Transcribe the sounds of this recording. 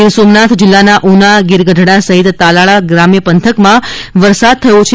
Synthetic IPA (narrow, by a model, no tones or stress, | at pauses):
ɪɾsomnat̪ʰd͡ʒɪlːanaʔunaɡɪɾɡədʱɽ̃asəɦit̪ːalaɭaɡɾamjəpənt̪ʰəkmãʋəɾsad̪̚t̪ʰəjot͡ʃʰ